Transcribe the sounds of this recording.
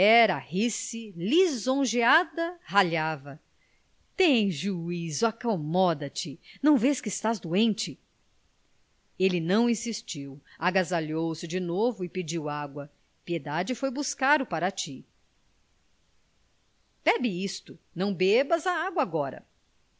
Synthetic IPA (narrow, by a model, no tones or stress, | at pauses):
ɛɾɐhisilizõʒead̪ɐhaʎavɐ | t̪ẽj̃ʒuizʊakomɔd̪ɐt͡ʃɪnɐ̃w̃veskɪst̪azd̪uẽnt͡ʃɪ | elɪnɐ̃w̃ĩsist͡ʃiwaɡazaʎowsɪd͡ʒɪnovʊɪpid͡ʒiwaɡwɐ | pied̪ad͡ʒɪfojbuskaɾʊpaɾɐt͡ʃi | b̥ɛbɪist̪ʊnɐ̃w̃bebɐzɐaɡwɐaɡɔɾɐ̰